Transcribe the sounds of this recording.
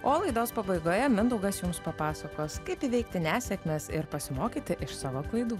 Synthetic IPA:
oːlˠɐɪd̪oːspɐbɐɪɡoːjɛmʲɪnd̪ɐʊɡɐsjʊmspɐpɑːsɐkoːskɐɪpiʋʲɛɪkt̪ʲɪnʲæːsʲɛkmʲeːsɪɾpɐsʲɪmoːkʲiːt̪ʲɪʔɪʃsɑːʋoːklˠɐɪd̪uː

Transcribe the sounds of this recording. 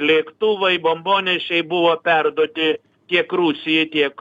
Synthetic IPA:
lʲiːkt̪uːʋɐɪbomboːnʲɪʃʲɛɪbʊʋoːpʲɛrd̪uɔt̪ʲɪ | t̪ʲiɛkrusʲɪjɛt̪ʲiɛk

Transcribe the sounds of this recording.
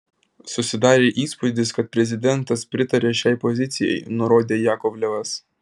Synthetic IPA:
sʊsʲɪd̪ɑːɾʲeːʔiːspʊd̪ʲɪskɐt̪̚pʲɾʲɛzʲɪd̪ʲɛnt̪ɐspʲɾʲɪt̪ɐɾʲeːʃʲɛɪpɔzʲɪt̪sʲɪjɛ̰ɪnʊɾoːd̪ʲeːjæːkɔbʲlʲɛʋɐs

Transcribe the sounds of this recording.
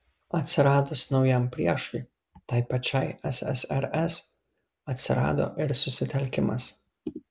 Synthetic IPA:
ɐt̪ʲsʲɪɾɑːd̪osnɒʊjɛmpʲɾʲiɛʃʊj | t̪ɐɪpɐt͡ʃʲɛɪɛsɛ̰sɛ̰ɾɛs | ɐt̪ʲsʲɪ̰ɾɑ̰ːd̪o̰ːʔɪɾsʊsʲɪt̪ʲɛlʲkʲɪmɐ̰s

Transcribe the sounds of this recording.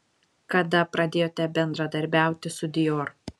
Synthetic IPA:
kɐd̪ɐpɾɐd̪ʲeːjoːt̪ʲɛbʲɛnd̪ɾɐd̪ɐɾʲbʲæˑʊt̪ʲɪsʊd̪ʲɪjoːɾ

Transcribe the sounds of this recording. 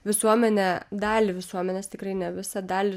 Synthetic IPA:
ʋʲɪsuɔmʲɛnʲɛd̪ɑːlʲɪʋʲɪsuɔmʲɛnʲeːst̪ʲɪkrɐɪnʲɛʋʲɪsɐd̪ɑːlʲɪ

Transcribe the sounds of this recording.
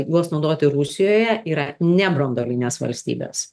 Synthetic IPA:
ɡuɔsnɒʊd̪oːt̪ʲɪɾʊsʲɪjoːjɛʔiːɾɐnʲɛbɾond̪oːlʲinʲeːsʋɐ̰lʲsʲt̪ʲḭːbʲḛːs

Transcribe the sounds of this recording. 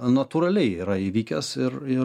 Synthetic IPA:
nɐt̪uɾɐlʲɛɪiːɾɐiʋʲiːkʲɛsɪɾɪ

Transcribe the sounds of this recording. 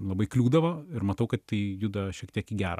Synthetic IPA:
lˠɐbɐɪklʲuːd̪ɐʋoːɪɾmɐt̪ɐʊkɐt̪t̪ɐɪjʊd̪ɐʃʲiɛk̚t̪ʲiɛkiɡʲæːɾɐ

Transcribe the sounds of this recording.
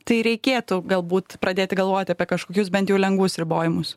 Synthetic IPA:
t̪ɐɪɾʲɛɪkʲeːt̪ʊɡɐlˠbuːt̪pɾɐd̪ʲeːt̪ʲɪɡɐlˠʋoːjt̪ʲɐpʲiɛkɐʃkoːkʲʊsbʲɛnt̪jɛʊlʲɛŋɡʋʊsɾʲɪboːjɪmʊs

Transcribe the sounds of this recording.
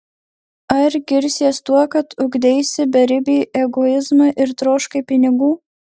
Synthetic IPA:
ɐɾɡʲɪɾʲsʲiɛst̪uɔkɐt̪ʊɡd̪ʲɛɪsʲɪbʲɛɾʲɪbʲɪːʔɛɡɔɪzmɑʔɪɾt̪ɾoːʃkɐɪpʲɪnʲɪɡuː

